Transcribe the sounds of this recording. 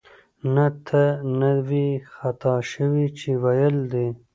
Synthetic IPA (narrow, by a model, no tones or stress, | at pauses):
nat̪ʰənawixat̪ʰɑʃəwit͡ʃʰewajəld̪e